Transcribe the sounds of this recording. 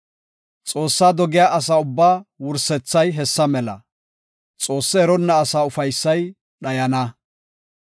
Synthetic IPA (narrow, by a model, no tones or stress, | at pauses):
t͡sʼo̞ːsːaːd̪ɔɡɪjaːʔɐs̬aːʊbːaːwʊɾsɛt͡sːɐjɦɛsːɐmɛlɐ̰ | t͡sʼo̞ːsːɛɛɾɔnːɐːsaːʊfɐjsːɐj | ɗɐjɐnɐ